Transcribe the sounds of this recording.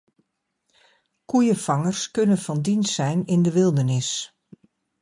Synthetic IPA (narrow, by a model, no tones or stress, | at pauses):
kujəfɑŋərskønənfɑndinsɛjnɪndəʋɪlˠdənɪs